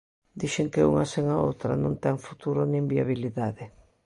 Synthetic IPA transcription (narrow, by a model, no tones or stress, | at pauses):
d̪iʃeŋkeṵŋaseŋaowt̪ɾɐnõnt̪ɛŋfu̥t̪uɾʊnĩŋbiaβiliðaðɪ